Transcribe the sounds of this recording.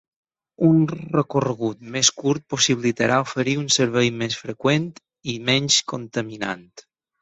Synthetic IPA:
unrəkorəɣ̞ut̪meskuɾt̪̚posiβlit̪əɾʔaofəɾiunsəɾβɛjmesfɾəkwent̪ | imɛnskont̪əmina̰nt̪

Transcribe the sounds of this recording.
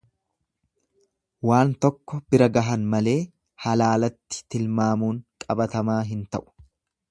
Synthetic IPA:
waːnt̪ɔkːɔbɪɾɐɡɐɦɐnmɐle̞ː | hɐlaːlɐt̪ːɪ̥t̪ɪlmaːmuːŋkʼɐbɐt̪ɐmaːɦɪnt̪ɐʔʊ̥

